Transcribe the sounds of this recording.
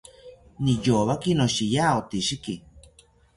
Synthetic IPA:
nĩjoβakinõʃijaot̪iʃiki

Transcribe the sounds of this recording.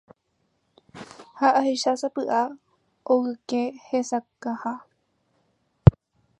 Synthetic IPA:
haʔaheʃasapɨʔa | oɣɨkehesakaha

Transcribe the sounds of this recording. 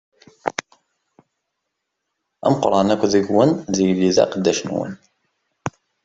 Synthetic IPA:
æ̰mqɾˤɑnækʷːðəɡwənðijliðæ̰qəd̪ːæʃnwə̰n

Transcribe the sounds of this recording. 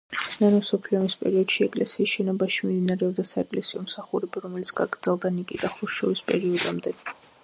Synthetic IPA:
nanɔsɔpʰliɔmispʼɛɾiɔd̪̥ʃiɛkʼlɛsiːsʃɛnɔbaʃimimd̪inaɾɛɔbd̪asaɛkʼlɛsiɔmsaχuɾɛbaɾɔmɛlit̪sʰɡ̥aɡɾd̪zɛlˠd̪anikʼid̪̥aχuʃɔvispʼɛɾiɔd̪amd̪ɛ

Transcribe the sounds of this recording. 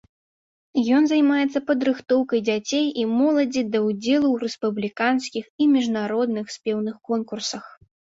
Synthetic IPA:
jɔnzajmajɛt̪sːɐpɐd̪ɾɨxt̪ɔwkɐjd͡zʲat͡sʲejimɔlˠɐd͡zʲid̪ɐwd͡zʲɛlˠuwrɛspublʲikanskʲiximʲiʐnaɾɔd̪nɨxsʲpʲɛwnɨxkɔnkursɐx

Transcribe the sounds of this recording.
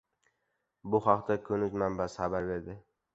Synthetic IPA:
bʊχɑqt̪ʰakʲʰɵnɪzmambasχabaɾbeɾd̪ɪ

